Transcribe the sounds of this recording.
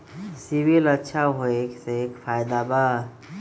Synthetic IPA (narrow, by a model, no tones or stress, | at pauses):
sibilətːʃʰaɦoekseekpʰajd̪aba